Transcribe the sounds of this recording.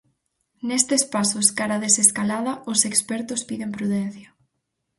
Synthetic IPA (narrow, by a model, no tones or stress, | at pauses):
nest̪espasʊskaɾaðeseskalað̞ɐʊsekspɛɾt̪ʊspiðempɾuðɛn̟θjɐ